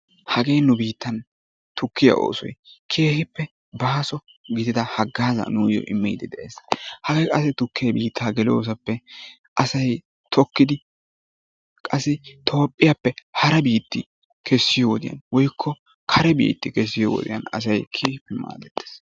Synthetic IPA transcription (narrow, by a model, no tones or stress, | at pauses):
hɐɡe̞jnʊbiːt̪ːɐn | t̪ʊkːɪjɐ̰ʔo̰ːsɔ̰jkʰeːhɪpːɛ | baːsɔ | ɡɪd̪ɪd̪ɐhɐɡːaːzɐ̰nuːjɔ̰ʔɪmːɪjd̪ɪd̪ɛʔḛːshɐɡejkʼɐsɪt̪ʊkːɪjɐbiːt̪ʰːaːɡɛljoːs̬ɐpːɛ | ʔɐsɐj | t̪ʰɔkːɪd̪ɪ | kʼɐsːɪt̪ʰo̞ːpʼːɪjɐpːɛhɐɾɐbiːt̪ːɪ | kʰɛsːɪjɔwɔd̪ɪjɐ̰nwɔjkʰːɔ | kʰɐɾɛbḭːt̪ːɪkɛs̬ːɪjɔwɔ̰d̪ɪ̰jɐ̰nɐ̰sɐjkʰeːhɪpːɛma̰ːd̪ɛt̪ːe̥s